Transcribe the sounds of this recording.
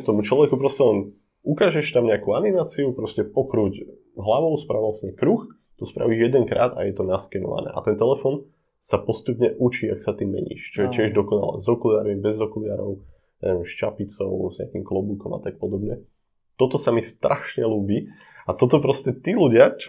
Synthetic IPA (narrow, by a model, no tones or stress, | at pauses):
t̪ɔmut͡ʃlˠɔʋɛkupɾɔscɛlɛn | ukaːʒɛʃt̪amɲɛakuanimaːt͡siupɾɔscɛpɔkɾuɟ | ɦlaʋɔʊspɾaʋɔlsɲɛkɾux | t̪ɔspɾa̰ʋiːʒjɛd̪ɛŋkɾa̰ːd̪a̰jɛt̪ɔnaskɛnɔ̰ʋa̰nɛ̰ːʔa̰t̪ɛnt̪ɛlɛfɔn | sapɔst̪upɲɛʔut͡ʃiːaksat̪imːɛ̰ɲḭːʃt͡ʃɔjɛcɪɛʒd̪ɔkɔna̰lɛ̰zɔkulaːɾmibɛzɔkulɪaːɾɔʊ | nɛmʃt͡ʃapit͡sɔʊzɲɛ̰akimklɔbukɔmʔa̰t̪ak̚pɔd̪ɔbɲɛ | t̪ɔt̪ɔsamist̪ɾaʃɲɛluːbiː | at̪ɔt̪ɔpɾɔscɛt̪iluɟɪat͡ʃ